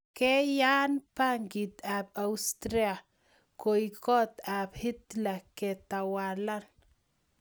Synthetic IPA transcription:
kɛ˦ja˦npa˦ŋɡi˨t̪a˨p̚a˨ust̪ɾia˨ | ko˨jkɔ˦t̪a˨phi˦t̪la˨kɛ˨t̪a˨wala˦n

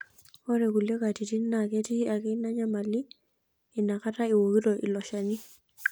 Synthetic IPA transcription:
ɔ˦ɾɛ˨ku˨lje˦ka˨ti˨ti˦nːakɛ˦ti˦a˨kɛ˦na˦ɲama˨liː˦˨ | na˨ka˦ta˦i˨wo˨ki˦tɔʔḭ˨lɔ˨ʃa˨ni˦

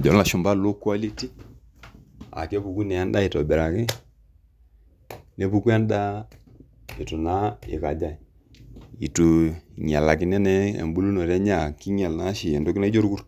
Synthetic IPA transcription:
d͡ʒo˨˦la˨ʃu˦mba˦lo˦kwa˦li˦ti˦ | a̰˨ke˦bu˨ku˦nɛ˨a˦n˦da˦i˨tɔ˨bɛ˨ɾa˨kɪ˦ | ne˦bu˨ku˦a˦nda˦ | i˨tu˨na˦ḭ˨ka˨d͡ʒa˨ | ḭ˨tu˨ɲa˨la˨ki˦nɛ˦nɛ˦ḛ˨mbu˦lu˦no˨ɾɛ˦ɲa˦˨ki˦ɲɛ˨lna˦ʃi˨ɛ˨ndo˦ki˦na˦d͡ʒo˦ɾku˦ɾ

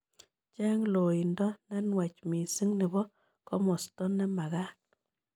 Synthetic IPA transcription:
t͡ʃɛ˦ŋlo˨i˨ndɔ˦nɛ˦nwɛ˨t͡ʃmi˨si˦ŋnɪ˨bɔ˦ | kɔ˦mɔ˨stɔ˦nːɛ˦ma˨ɣa˦

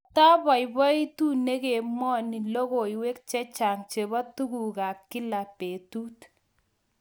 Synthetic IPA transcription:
ta˦bɔ˨jbɔ˦i˦tu˦ne˦ke˨mɔ˦ni˨lo˦ɣo˨iwe˦k̚t͡ʃɛ˦t͡ʃa˨ŋt͡ʃe˨bɔ˦tu˦ku˨ka˨kːɪ˦la˨pe˨tu˦t

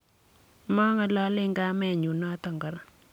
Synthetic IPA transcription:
mɔ˦ŋa˦lɔ˦lɪ˦ŋɡa˦mɛ˦˨ɲu˨nɔ˦t̪ɔ˨ŋɡɔ˨ɾ

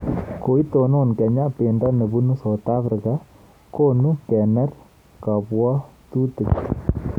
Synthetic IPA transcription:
ko˨i˦t̪o˨no˦nkɛ˨ɲa˦pe˨nda˦nə˨bu˦nu˦so˨t̪a˦fɾika | ko˦nu˦kɛ˨nɛ˦r | ka˨pwɔ˦t̪u˦tɨ˨k

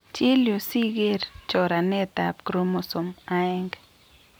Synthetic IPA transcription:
t͡ʃi˦lju˨si˦ɡe˦ɾt͡ʃo˨ɾa˨ne˦t̪a˨pkɾo˦mo˧so˨ma˦e˦ŋɡ

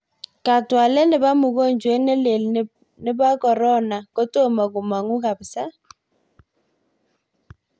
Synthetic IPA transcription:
ka˨twa˨lɛ˦nɪ˨βa˦mu˨ɣo˦˨ɲd͡ʒwe˦ne˦le˨l | nɪ˦ba˦kɔ˨ɾɔ˦na˨ko˦to˦ma˨ɣu˨ma˨ŋu˦ka˨βsa˦

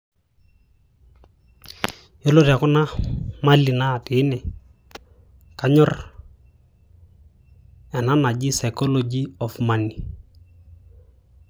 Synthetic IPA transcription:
jɔ˦lo˦ɾja˨kʊ˦na˦ma˦li˨na˦˨pɪ˨˦nɛ˨ | ka˨ɲɔ˦r | ɛ˨na˦na˨d͡ʒɪ˦sa˨jkɔ˦lo˦d͡ʒi˦ɔ˨fma˨ni˨

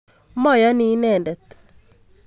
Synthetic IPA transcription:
mɔ˦ja˦ni˨˦nɛ˨ndɛ˨t̪

